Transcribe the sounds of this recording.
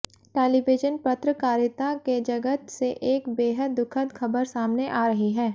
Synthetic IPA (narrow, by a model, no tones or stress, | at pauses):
ʈeːliʋɪd͡ʒənpɐt̪ɾəkaːɾjɪt̪aked͡ʒɐɡət̪seʔeːkbeːɦəd̪ːʊkʰəd̪xʰɐbəɾsaːmneʔaːɾɐɦiɦɛː